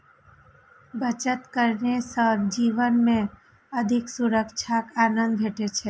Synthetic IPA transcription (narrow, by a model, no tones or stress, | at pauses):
bət͡ʃət̪kəɾnesəbd͡ʒiʋənmẽ | əd̪ʱɪksuɾəkt͡ʃʰakanə̃nd̪̚bʱeʈet͡ʃʰe